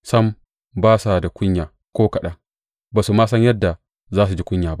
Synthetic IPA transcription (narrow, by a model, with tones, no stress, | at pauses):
sɐ˦m | baː˦sa˨da˨kʷʊ˦ɲjaː˨ | kʷoː˦kɐ˨ɗa˦ | baː˨su˨maː˦sɐ˦ɲjɐ˦dːa˨ | zaː˦s̬u˨d͡ʒi˦kʷʊ˦ɲjaː˨ba˦ʔ